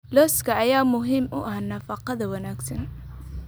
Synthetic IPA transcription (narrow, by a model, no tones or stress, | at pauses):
lɔːskʰɐʔɐjaːmʊɦiːmʊʔɐhnɐfɑqɑðɐwɐnaːɡsɐn